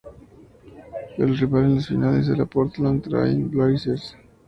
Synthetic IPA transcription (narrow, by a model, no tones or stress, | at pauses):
elriβalenlasfinalezðelapoɾt̪lant̪ɾa̰jnblaɾiseɾs